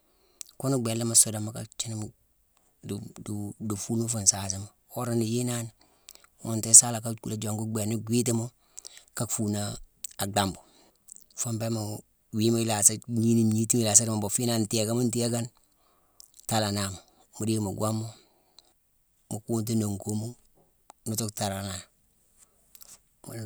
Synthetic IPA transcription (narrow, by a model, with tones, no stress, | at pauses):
ku˦nu˦ɡ͡be˨nla˦ma˨su˦da˨ma˨ka˨t͡ʃi˦n˦m | ddu˨fu˦nmu˦fu˨nsa˨si˦mo˨ | o˦ɾa˦ni˨ji˦na˦n | wo˦nte˦sa˦la˨ka˦ku˨la˦d͡ʒo˨ŋku˦ɡe˨nu˦ɡʷi˦t̬i˦mo˦ | ka˦kfu˨na˦a˨ɡa˨mbo˨ | fo˦mbe˦ma˨ | wi˦mo˦i˦la˨sa˦ɲi˦ni˦ɲi˦ti˦m˦˨la˨sa˦ɾma˨mbo˨fi˦na˦nti˦e˨ka˦mu˦nti˦e˦ɡa˦n | ta˨la˨na˨mo˨ | mu˨ɾi˦mo˨ɡʷa˦mo˦ | mu˨ku˦nt̬i˦no˨ŋko˦mo˦ | nu˦to˦kta˨ɾa˨na˨